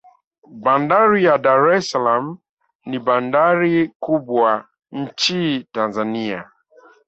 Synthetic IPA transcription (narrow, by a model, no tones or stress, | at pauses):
bandaɾijadaɾɛsalam̩ | niban̩daɾikubwa | n̩t͡ʃitanzania